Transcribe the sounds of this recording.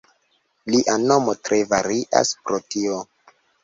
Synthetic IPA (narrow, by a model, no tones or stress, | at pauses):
liʔano̞motɾʔe̞vaɾiʔa̰spɾotio